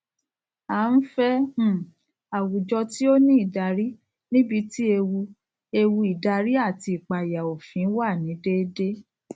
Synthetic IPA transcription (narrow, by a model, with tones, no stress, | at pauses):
a˨˦n̩˦fɛ̃˦˨ | a˨wu˨d͡ʒɔ˧ti˦o˦nĩ˦i˦˨da˧ɾi˦ | nĩ˦bi˧ti˦e˧wu˧ | e˧wu˧i˨da˧ɾi˦a˦˨ti˧i˨k͡pa˨ja˨o˨fĩ˨˦wa˦˨nĩ˨˦de˦de˦